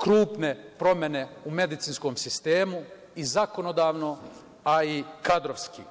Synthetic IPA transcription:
kɾuːpne̞pɾo̞mjene̞ume̞d̪it̪sinskomsist̪eːmu | izako̞nod̪aːʋno̞ | aikad̪ɾoʋskḭ

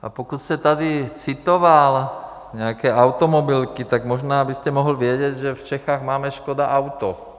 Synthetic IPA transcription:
ʔa̰pɔkut̪scɛt̪ad̪it͡sit̪ɔʋal | ɲɛakɛːʔaʊt̪ɔmɔbilkit̪aɡmɔʒnaːbiscɛmɔɦlʋɪɛɟɛɟʒɛft͡ʃɛxaːɣmaːmɛʃkɔd̪aʔaʊt̪ɔ

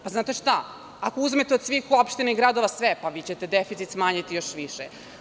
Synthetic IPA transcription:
paznaːt̪eʃt̪a | ako̞uzmet̪eod̪sʋixuopʃt̪inaiɡɾad̪o̞ʋasʋɛpaʋit͡ɕet̪ed̪efit̪sit̪smaːɲit̪ijoʃʋiʃe

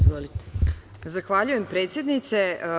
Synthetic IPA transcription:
zʋolit̪e̥ | zaxʋaʎuje̞mpɾe̞ːt̪sje̞d̪nit̪se̞

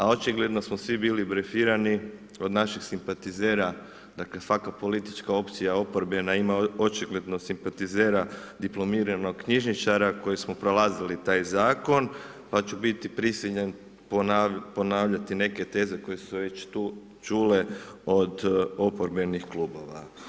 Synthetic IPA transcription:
ao̞t͡ʃiɡle̞d̪no̞smosʋibiːlibɾe̞fiːɾani | o̞d̪naʃixsimpat̪izeːɾa | d̪akle̞sakapo̞lit̪i̥t͡ʃkao̞pt̪sijao̞poɾbe̞naimao̞t͡ʃiɡle̞d̪no̞simpat̪izeːɾad̪iplˠo̞miːɾano̞ɡkɲiʒnit͡ʃaɾako̞jismopɾo̞lazilit̪aːjzaːko̞n | pat͡ʃubit̪ipɾisiʎen | ponpo̞naːʋʎat̪ine̞ke̞t̪e̞ːze̞ko̞je̞suʋe̞t͡ʃt̪uː | t͡ʃuːle̞o̞d̪o̞poɾbe̞nixkluːbo̞̰ʋa̰

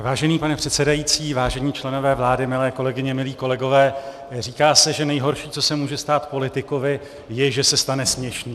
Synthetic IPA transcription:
vaːʒɛniːpanɛpr̥ɛt̪sɛdajit͡siːvaːʒɛɲiːt͡ʃlɛno̞vɛːvlaːdɪmɪlɛːko̞lɛɡɪɲɛmɪliːko̞lɛɡo̞vɛː | r̝iːkaːsɛʒɛnɛjɦo̞ɾʃiːt͡so̞sɛmuːʒɛst̪aːt̪po̞lɪt̪ɪkovɪ | jɛʒɛsɛst̪anɛsmɲɛʃniː

